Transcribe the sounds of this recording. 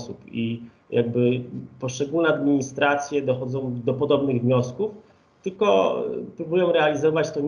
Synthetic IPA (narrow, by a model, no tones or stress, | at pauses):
supi | jʔaɡ̚bɘpɔʂt͡ʂɛɡulnɛad̪mʲiɲist̪ɾat̪sʲjɛd̪ɔxɔd̪zɔ̃w̃d̪ɔpɔd̪ɔbnɘɣvɲɔskuf | t̪ɘlkɔpɾubujɔ̃w̃ɾɛalʲizɔvat͡ɕt̪ɔ